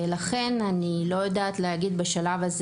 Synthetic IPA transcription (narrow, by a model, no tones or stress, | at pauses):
laχe̞nanilo̞jad̪aːt̪lehaɡid̪baʃalavaz